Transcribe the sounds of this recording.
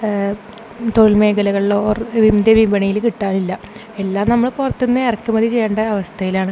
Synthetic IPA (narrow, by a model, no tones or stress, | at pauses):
t̪oɻilme̞ːkɐlɐɣɐɭɭoːrʋimd̪eʋibɐɳijilkiʈːaːnilːɐ | elːaːmnɐmːɐɭpurɐt̪ːunːɨerɐkʲːumɐðit͡ɕe̞jːeːɳɖɐɐʋɐst̪ʰɐjilaːɳɨ